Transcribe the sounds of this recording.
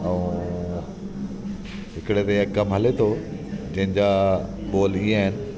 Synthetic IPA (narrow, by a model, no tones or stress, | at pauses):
ɐũ | ɦɪkɽet̪ɐɐkɐmɦɐlet̪ʰod͡ʑɐ̃ɦɪ̃ɲd͡ʑaːɓoːliaːɦɪnɪ̆